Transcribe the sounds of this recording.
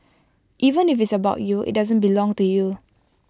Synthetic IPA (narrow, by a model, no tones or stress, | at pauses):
ʔivə̃nifitsəbaʊtjuʔḭt̚dazə̃nbilɔ̃ŋtuju